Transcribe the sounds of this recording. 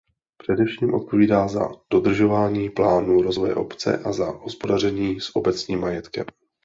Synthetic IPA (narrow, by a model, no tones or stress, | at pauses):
pr̥ɛdɛfʃiːmʔo̞t̪̚po̞viːdaːza̰d̥o̞dr̩ʒo̞vaːɲiːplaːnuɾo̞zvojɛ̰ʔo̞pt͡sɛ̰ʔazaɦospo̞darɛɲiːsʔo̞bɛt͡sɲiːmːajɛt̪kɛm